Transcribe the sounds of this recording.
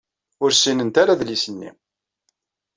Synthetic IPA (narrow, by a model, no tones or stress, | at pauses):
ʊɾsinənt̪aɾaðlisənːḭ